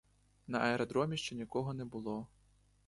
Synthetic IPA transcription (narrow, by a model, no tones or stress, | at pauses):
nɐʔɐɛɾɐd̪ɾɔmʲiʃt͡ʃɛnʲikɔɦɔnɛbʊlˠɔ